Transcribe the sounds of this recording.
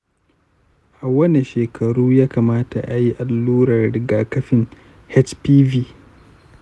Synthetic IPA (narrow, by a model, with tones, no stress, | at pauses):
ʔa˨wɐ˦ni˨ʃeː˨kʰɐ˨ɽuː˦jaː˦kaː˨maː˦ta˨ʔa˨ji˦ʔa˨lːuː˦ɽɐ˨rɽɪ˨ɡaː˨kɐ˦ɸɪ˦˨ŋ | hɛ˦t͡ʃpiː˦viː˦